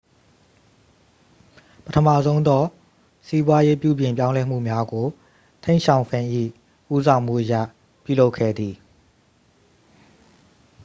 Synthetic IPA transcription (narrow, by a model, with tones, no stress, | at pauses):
pətʰə˨ma̰˦˨zõ˦ʊ̃nd̪ɔ˦ | si˦bwa˦je˦pjṵ˦˨bjɪ̃˨mp̬jã˦lɛ˦m̥ṵ˦˨mja˦ɡo˨ | t̪ʰẽ˦ɪ̃ʃʰã˨ʊ̃fʰɪ̃˨ʔḭ˦˨ | ʔu˦sã˨ʊ̃m̥ṵ˦˨ʔəja̰˦˨ | pju˦˨lo˦ʊkʰːɛ̰˦˨d̪ði˨